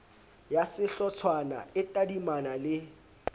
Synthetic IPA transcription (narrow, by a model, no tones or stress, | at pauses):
jasɪɬɔt͡sʰwana̰ɪtʼadimanalɪ